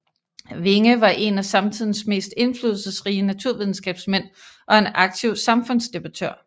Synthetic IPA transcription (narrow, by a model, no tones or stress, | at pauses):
ʋe̝ŋəʋɑ̈ʔe̝næsɑ̈mt͡sʰið̰ˠn̩sme̝̰ːsd̥e̝nflyːð̞ˠl̩ˠsəsʁiːənæt͡sʰuɐ̰ʋið̞ˠn̩sɡ̥ɛ̰ːb̥smen̰ʔɒ̽e̝nɑ̈ɡ̥̚t͡sʰiʊsɑ̈mfɔ̽n̰sd̥e̝b̥ɑ̈t͡sʰøɐ̰